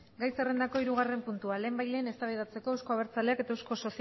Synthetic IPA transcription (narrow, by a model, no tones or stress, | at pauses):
ɡajsere̞nd̪ako̞iɾuɣ̞are̞mpunt̪uale̞ːmbajle̞ːne̞st̪aβeð̞at͡se̞ko̞ewsko̞aβ̞e̞ɾt͡saleake̞t̪aewsko̞so̞s